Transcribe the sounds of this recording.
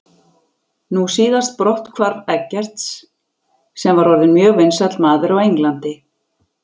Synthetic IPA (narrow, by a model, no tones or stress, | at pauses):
nusiːðast̪̚pɾɔwht̪kʰvaɾðɛcːɛr̥t̪s | sɛmvaɾɔɾðɪmjœːɣvejnsat̪lmaːðɪɾawejŋklant̪ɪ